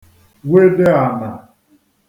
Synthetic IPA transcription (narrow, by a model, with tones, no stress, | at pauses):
we˦de˦a˨na˨